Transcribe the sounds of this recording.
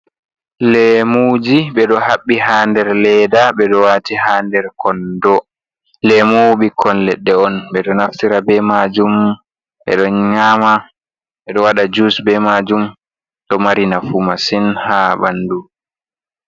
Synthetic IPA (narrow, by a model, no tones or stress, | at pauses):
lɛmud͡ʒiɓɛɗɔhaɓːihaːndɛɾlɛdaɓɛɗɔwatihandɛɾkʰɔndɔ | lɛmuɓikʰɔnlɛɗːɛɔnɓɛɗɔnaftiɾabɛmad͡ʒum | ɓɛ̰ɗɔɲama | ɓɛɗɔwaɗad͡ʒusbɛmad͡ʒum | ɗɔmaɾinafumasinhabandu